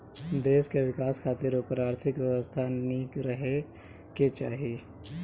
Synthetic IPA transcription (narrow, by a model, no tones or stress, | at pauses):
d̪eːskeʋɪkaːskʰaːt̪ɪɾoːpəɾaːɾt̪ʰɪkʋjɛʋəst̪ʰaniːkɾəɦe | ket͡ʃaːɦieː